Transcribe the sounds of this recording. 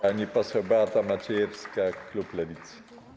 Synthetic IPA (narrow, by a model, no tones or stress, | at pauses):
aɲʲipɔsɛwbat̪amat͡ɕɛjɛfskakluplɛvʲit̪s